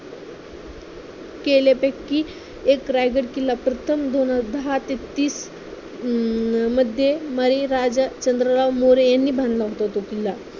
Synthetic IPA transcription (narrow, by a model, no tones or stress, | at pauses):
kelepekːiː | ekɾajɡəɽkilːapɾət̪ʰəmd̪onad̪əɦat̪et̪ːiːs | məd̪ʱjeməɾiɾad͡zt͡ɕənd̪ɾəlaʋmoɾejanːiːbʱãnd̪laɦot̪at̪okilːa